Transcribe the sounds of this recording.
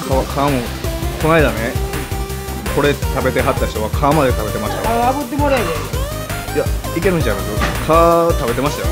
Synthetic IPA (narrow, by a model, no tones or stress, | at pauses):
kʰaβakʰaːmo̞ | kʰo̞naid̪ane | kʰo̞ɾe̞t̪abe̞t̪e̞ɦat̪ːaçi̥t̪o̞β̞akʰaːmad̪e̞t̪abe̞t̪e̞maɕi̥t̪ajaɡɯt̪ːemoɾaed̪e | jaike̞ɾɯ̟ɲd͡ʑakasokʰaːt̪abe̞t̪e̞maɕi̥t̪ajo